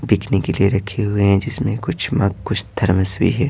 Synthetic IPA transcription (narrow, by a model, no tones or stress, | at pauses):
biːkʰnekelieɾɐkʰːeɦʊeɦɛ̃d͡ʒɪsmẽkʊt͡ʃʰmɐɡkːʊt͡ʃʰd̪ʱɐɾməswḭɦɛː